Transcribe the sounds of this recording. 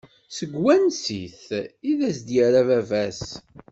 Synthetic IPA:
səɡwænsiθiðæsd̪jəɾavævæs

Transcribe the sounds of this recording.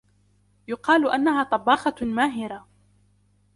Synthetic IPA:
jʊqɑːlʔanːaɦaːt̪ˤɑbːɑːxɑmaːɦɪɾa

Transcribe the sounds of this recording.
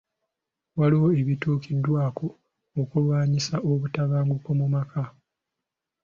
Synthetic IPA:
waliwo̞e̞βituːkʰidːwaːkʰo̞ | okulwaːɲisaʔo̞βutaβaːŋɡuko̞mumakʰa

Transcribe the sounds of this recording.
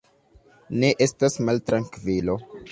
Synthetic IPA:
ne̞ʔestasmaltɾaŋkvilo

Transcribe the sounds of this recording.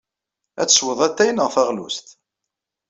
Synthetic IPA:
æ̰t͡sːə̥swəðˤæt̪ːæjnəʁfæʁlṵst̪

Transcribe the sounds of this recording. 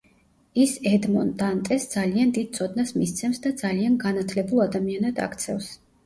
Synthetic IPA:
isɛd̪mɔnd̪ant̪ʼɛsd̪z̥aliand̪id̪̥̚t̪sʰɔd̪̚nasmist̪sʰɛmsd̪ad̪zalianɡanat̪ʰlɛbulˠad̪amianad̪a̰kt̪sʰɛfs

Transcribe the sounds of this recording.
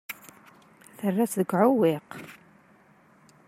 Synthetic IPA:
θərːæt͡sðəɡʕʊwɪq

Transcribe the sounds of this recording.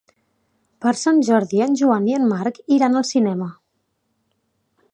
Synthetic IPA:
pəɾsanʒɔɾðiənʲʒuaniənmaɾkiɾanəlˠsinɛmə

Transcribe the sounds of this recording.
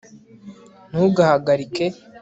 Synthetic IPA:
n̥uɡahaɡaɾike

